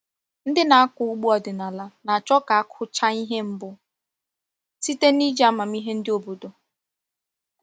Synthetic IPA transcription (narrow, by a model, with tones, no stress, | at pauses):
n̩˦dɪ˦na˨a˦kʊ˨u˦ɡ͡bu˦ɔ˨dɪ˨na˨la˨na˨t͡ʃɔ˦ka˨a˦kʰʊ˦t͡ʃa˦i˦ɦe˦m̩˦bʊ˦ | si˦te˦ni˦d͡ʒa˦ma˨m̩i˦ɦe˦n̩˦dɪ˦o˨bo˨do˨